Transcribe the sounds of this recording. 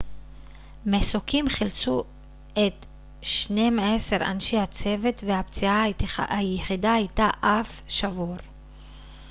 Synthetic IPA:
mesokimχilt͡su | e̞t̪ | ʃne̞mese̞ʁa̰nʃejhat͡se̞ve̞t̪vehapt͡siaajeχidaajt̪aʔafʃavuʁ

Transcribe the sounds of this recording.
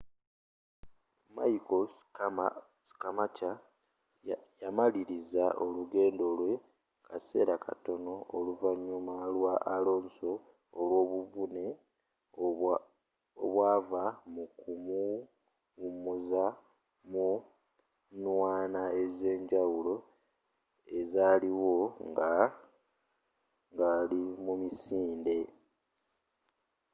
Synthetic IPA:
majiko | si̥kamaca | jamaliɾizaʔoluɡe̞ːndo̞lwe̞ | kʰase̞̰ːɾakʰa̰to̞no̞oluvaɲːumalwaʔːlo̞ːnso̞ː | lwo̞ːβuvune̞ | o̰βwaːvamukumu | umuza | mu | nwaːnae̞ze̞ːɲɟawulo̞ | e̞zaːliwo̞ŋɡa | ŋɡalimumisiːnde̞

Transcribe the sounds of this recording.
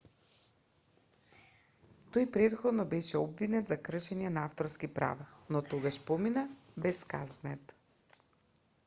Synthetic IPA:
t̪ojpɾɛt̪xod̪nɔbɛʃɛɔbvinɛt̪zakɾəʃɛɲɛnaaft̪oɾskipɾa̰vanot̪oɡaʃpɔminabɛska̰znɛt̪

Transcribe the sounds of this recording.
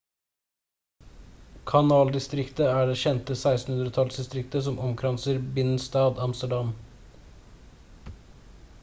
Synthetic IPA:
kʰɑnɑːld̪ɪst̪ɾɪkt̪əæːɖeːʃɛnt̪əsæɪst̪n̩hʉnd̪ɾət̪ʰɑlsd̪ɪst̪ɾɪkt̪əsɔmʔɔmkʰɾɑnsəɾbɪn̩st̪ɑːd̪ɑmst̪əɖɑm

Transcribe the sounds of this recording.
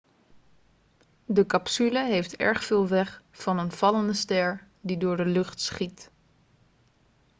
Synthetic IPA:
dəkɑpsyləɦejftɛ̰ɹχfɪːlˠʋɛχfɑnənv̥ɑləndəstɛɹ | didʊːɹdəlɵχtsχit

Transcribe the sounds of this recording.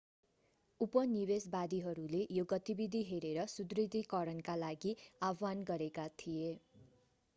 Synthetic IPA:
upʌnibesbad̪iɦʌɾulejoɡʌt̪ibid̪ʱiɦeɾeɾʌsud̪rid̪ʱikʌɾʌnkalaɡiabanɡʌɾekat̪ʰije

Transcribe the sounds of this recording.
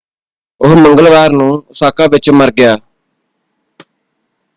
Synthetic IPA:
ʊɦməŋɡəlʋaːɾnũːsaːkãːʋɪt͡ʃməɾɡɪjaː

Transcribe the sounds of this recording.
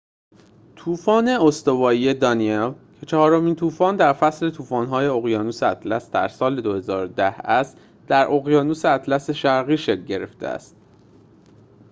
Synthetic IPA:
t̪ʰuːfɒːne̞ost̪o̞vɒːije̞d̪ɒnielcʰe̞t͡ʃʰɒhɒːɾo̞miːnt̪ʰuːfɒːnd̪æɾfæsle̞t̪ʰuːfɒːnɦɒːje̞oɣjɒːnuːseæt̪ʰlæsd̪æ̰ɾsɒːle̞d̪ohe̞zɒːɾod̪æhæst̪ | d̪̥æɾʔo̞ɣjɒːnuːseæt̪ʰlæse̞ʃæɾɣiːʃe̞kɟe̞ɾe̞ft̪ḛæ̰st̪̚

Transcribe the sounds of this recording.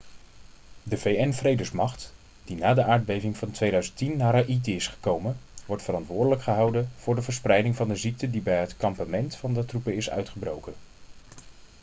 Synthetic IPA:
dəvejɛnvrejdəsmɑχt | d̥inaːdəʔaːɹd̚bejvɪŋvɑntʋejdœɥzəntinːaːɾaʔitəɪsχə̥kowmənʋɔɹtfərɑntʋʊːɹdələkχəɦɑwdənv̥ʊːɹdəvəɹsprɛjdɪŋvɑndəzik̚tədibɛjɦətkɑmpamɛntfɑndətrupəɪsœ̰ɥtχəbrowkən

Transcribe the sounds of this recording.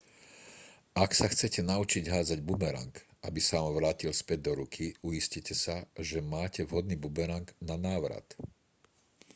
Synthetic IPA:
ʔaksaxt͡sɛcɛnaut͡ʃiɟɦaːd͡zaɟbubɛɾa̰ŋkʔabisaʋamʋɾaːcilspɛɟ̚d̪ɔɾukʰiujiscicɛsaʒɛmaːcɛvɦɔd̪niːbubɛɾaŋɡnanaːʋɾa̰t̪

